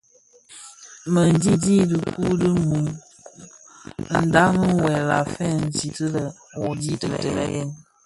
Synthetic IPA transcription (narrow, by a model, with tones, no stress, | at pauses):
mə˨n˨di˦di˦də˨ku˦də˦u˨m | n̩˨da˦mə˦˨wɛ˨la̰˨fɛ˦n̩˨zi˨tə˦lə˨ | wɔ˨di˦tə˨lɛ̰˨tə˨lɛ̰˨jɛ̰˦n